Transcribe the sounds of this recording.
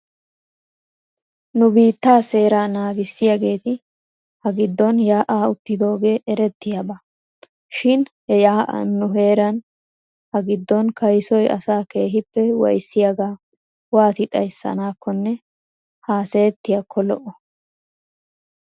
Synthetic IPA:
nʊbiːt̪ːaːse̞ːɾaːnaːɡɪsːɪjaɡe̞ːt̪ɪ | hɐɡɪd̪ːɔnjaːʔaːʊt̪ːɪd̪o̞ːɡe̞ːʔɛɾɛt̪ːɪjaba | ʃɪnhɛjaːʔɐ̰ːʊɦe̞ːɾɐn | hɐɡɪd̪ːɔnkɐjsɔjɐ̰saːke̞ːɦɪpːɛwɐ̰jsːɪjaɡaː | waːt̪ɪt̪ʼɐ̰jsːɐ̰naːkːɔnːɛ | haːsɛjt̪ːɪjakʰːɔlɔʔɔ

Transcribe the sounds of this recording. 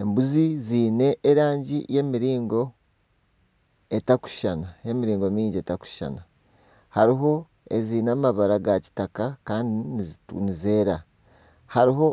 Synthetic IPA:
embuziziːne̞ʔːɾaːɲɟije̞miɾiːŋɡo̞ | e̞taku̥ʃanae̞miɾiːŋɡo̞miːɲɟe̞taku̥ʃa̰na | haɾiɦo̞ | ḛziːnaːmaβaɾaɡaci̥takakaːndinnize̞ːɾa | haɾiɦo̞

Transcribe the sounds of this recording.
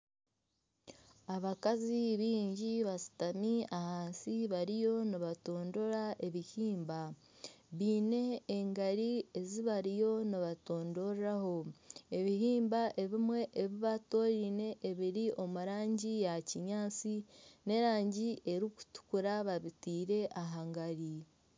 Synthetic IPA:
aβakaziβiːɲɟiβasi̥tamiahaːnsiβaɾijo̞niβato̞ːndo̞ɾaʔe̞βihiːmba | βiːne̞ːŋɡaɾie̞ziβaɾijo̞niβato̞ːndo̞raho̞e̞βihiːmbaʔe̞βimwe̞ʔːβiβato̞ɾiːne̞ʔːβiɾiʔo̞muɾaːɲɟijaciɲaːt͡sine̞ɾaːɲɟiʔe̞ɾiku̥tu̥kuɾaβaβitiːɾe̞ʔaɦaŋɡaɾi

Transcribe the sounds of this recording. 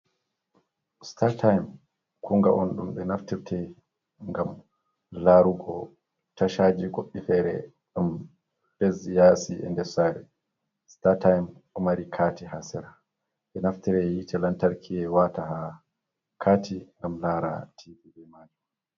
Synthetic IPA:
statʰajm | kʰuŋɡaʔɔnɗumɓɛnaftiɾtʰɛ | ŋɡam | laɾuɡɔ | taʃad͡ʒiɡoɓːifɛːɾɛ̰ | ɗum | b̥ɛzjasiɛ̰ndɛsaːɾɛ | statajmɔmaɾikʰaːtihasɛɾa | ɓɛnaftiɾɛjitʰɛlantaɾkʰiɛwataha | kʰaːtʰiŋɡamlaɾa̰tʰivibɛmaːd͡ʒɔ

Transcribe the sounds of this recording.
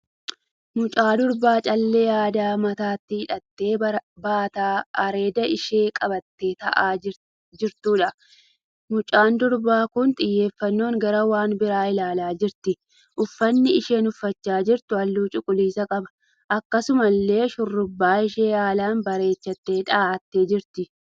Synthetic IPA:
mʊt͡ʃʼaːd̪ʊɾbaːt͡ʃʼɐlːe̞ːjaːd̪aːmɐt̪aːt̪ːɪhɪᶑɐt̪ːe̞ːbaːt̪aːɐɾe̞ːd̪ɐɪʃe̞ːkʼɐbɐt̪ːe̞ːt̪ɐʔaː | d͡ʒɪɾt̪uːᶑɐ | mʊt͡ʃʼaːnd̪ʊɾbaːkʊnt̪ʼɪjːe̞ːfːɐnːo̞ːŋɡɐɾɐwaːnbɪɾaːɪlaːlaːd͡ʒɪɾt̪ɪ | ʔʊfːɐnːɪɪʃe̞ːnʊfːɐt͡ʃːaːd͡ʒɪɾt̪ʊɐlːuːt͡ʃʼʊkʼʊliːsɐkʼɐbɐ̥ | ʔɐkːɐsʊmɐlːe̞ːʃʊrːʊbːaːɪʃe̞ːjaːlaːnbɐɾe̞ːt͡ʃːɐt̪ːe̞ːᶑaːʔɐt̪ːe̞ːd͡ʒɪɾt̪ɪ

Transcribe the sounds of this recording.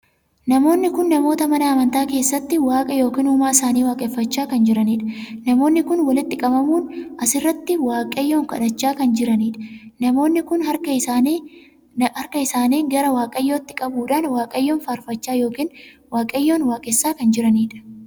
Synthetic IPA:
nɐmo̞ːnːɪkʊnːɐmoːt̪ɐmɐnɐɐmɐnt̪aːke̞ːsːɐt̪ːɪwaːkʼɐjo̞ːkiːnuːmaːɪsaːniːwaːkʼɛfːɐt͡ʃːaːkɐnd͡ʒɪɾɐniːᶑɐ̥nɐmo̞ːnːɪkʊnwɐlɪt̪ːɪkʼɐbɐmuːnʔɐsɪrːɐt̪ːɪwaːkʼɐjːoːŋkɐ̰ᶑɐt͡ʃːaːkɐnd͡ʒɪɾɐniːᶑɐ̥nɐmo̞ːnːɪkʊnhɐkɐɪː | hɐɾkɐɪsaːniːɡɐɾɐwaːkʼɐjːoːt̪ːɪ̥kʼɐbuːᶑaːnwaːkʼɐjːoːnfaːɾfɐt͡ʃːaːjo̞ːkiːnwaːkʼɐjːoːnwaːkʼɛsːaːkɐnd͡ʒɪɾɐniːᶑɐ̥

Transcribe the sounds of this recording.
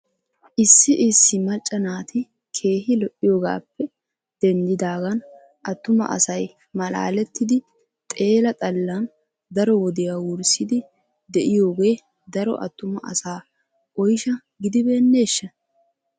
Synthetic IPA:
ʔɪsːɪʔɪsːɪmɐt͡ʃʼːɐnaːt̪ʰɪ | kʰe̞ːhɪlɔʔːɪjo̞ːɡa̰ːpːɛ | d̪̥ɛnd̪ɪd̪aːɡɐn | ʔɐt̪ːʊmɐ̰ʔɐ̰sɐj | mɐla̰ːlɛt̪ːɪd̪ɪ | t̪ʼe̞ːlɐt̪ʼɐlːɐn | d̪ɐɾɔwɔd̪ɪjaːwʊɾsɪd̪ɪ | d̪ɛʔɪjo̞ːɡe̞ː | d̪ɐɾɔ̰ʔɐ̰t̪ːʊmɐ̰ɐ̰saː | ɔjʃɐ | ɡɪd̪ɪbeːnːe̞ːʃːɐ

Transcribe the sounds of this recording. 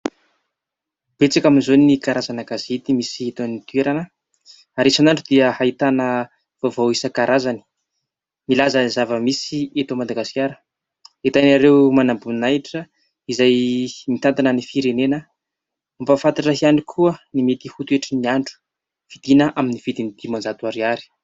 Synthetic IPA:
b̥et͡sakaminzonikaɾazanəɡazit̪imisiet̪anit̪ueɾanə | aɾesanaɳɖ͡ʐud̪iəhait̪anə | v̥ovowisəkaɾʔazani̥ | milazəizavəmisiet̪omad̪aɡaskʲaɾə̥ | et̪anaɾewmanambunajʈ͡ʂə | izajmit̪ant̪anənifiɾenenə | mpafant̪aʈ͡ʂəɦiaɳikʰuənimet̪ihut̪ueʈ͡ʂiniaɳɖ͡ʐu̥ | v̥id̪̥inəʔaminiv̥id̪inid̪̥imand͡zat̪uaɾiaɾi̥

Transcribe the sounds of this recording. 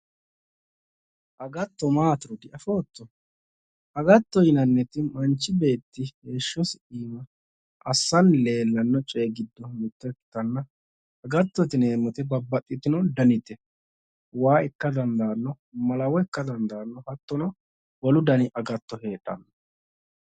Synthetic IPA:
ʔɐɡɐt̪ːɔmaːt̪ɪɾɔd̪ɪʔɐfoːt̪ːɔ | ʔɐɡɐt̪ːɔjɪnɐnːɛt̪ɪmɐnt͡ʃːɪbe̞ːt̪ːɪheːʃːɔsiːmɐ | ʔɐsːɐnle̞ːlːɐnːɔt͡ʃʼe̞ːɡɪd̪ːɔmɪt̪ːɐkːɪ̥t̪ɐnːɐ | ɐɡɐt̪ːɔt̪ɪne̞ːmɔt̪ɪbɐbːɐt̪ʼːɪt̪ɪnɔd̪ɐnɪt̪ɛ | waːɪkːɐd̪ɐnd̪aːnːɔ | mɐlɐwɔɪkːɐd̪ɐnd̪aːnːɔhɐt̪ːɔnɐ | wɔlʊd̪ɐnɪʔɐɡɐt̪ːɔhe̞ːᶑːɐ̰nːɔ

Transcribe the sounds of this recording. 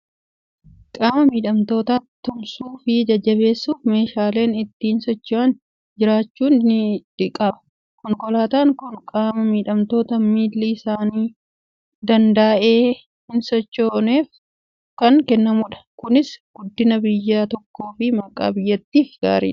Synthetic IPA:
kʼaːmɐmiːᶑɐmt̪o̞ːt̪aːt̪ːʊmsuːfɪd͡ʒɐd͡ʒːɐβe̞ːsːuːfme̞ːʃaːle̞ːnɪt̪ːiːnsɔt͡ʃːaːn | d͡ʒɪɾaːt͡ʃːuːnɪᶑ̪ɪkʼɐmɐ̥ | kɔŋkɔlaːt̪aːŋkʊŋkʼaːmɐmiːᶑɐmt̪o̞ːt̪ɐmiːlːiɪsaːniː | d̪ɐnd̪ɐːʔeː | hɪnsɔt͡ʃːoːneːf | kɐŋkɛnːɐmʊᶑɐ̥kʊnɪsɡ̥ʊd̪ːɪnɐbɪjːaːt̪ɔkːo̞ːfɪmɐkʼa̰ːbɪjːɐt̪ːiːfɡ̥a̰ːɾḭːᶑɐ̥

